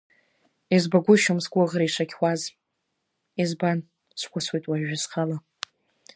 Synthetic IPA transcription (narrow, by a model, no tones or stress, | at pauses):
izbaɡʷʊʃʊmsɡʷʊʁɾaiʂakʲwʷaz | izban | sʷʰkʷʰʼʊswejtʼwaʒᶣasχala